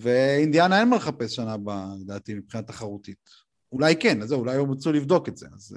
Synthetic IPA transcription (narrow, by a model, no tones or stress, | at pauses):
veind̪janaenmelχape̞sʃanabaed̪aːtimipχinataχaʁutit | ulajkenazːeulajomat͡sulivd̪o̞ketz̥e̞̰a̰z